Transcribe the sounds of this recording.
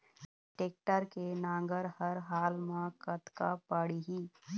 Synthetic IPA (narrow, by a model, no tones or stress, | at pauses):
ʈeːk̚ʈəɾkenãːŋ̆ɡəɾhəɾɦaːlmãkət̪kapaɽiɦiː